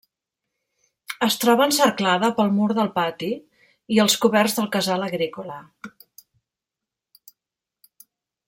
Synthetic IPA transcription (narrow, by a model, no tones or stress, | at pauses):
əst̪ɾɔβ̞ənsəɾklaðəpəlˠmuɾðəlˠpat̪i | iəlˠskuβɛrzðəlˠkəzaləɣɾikulə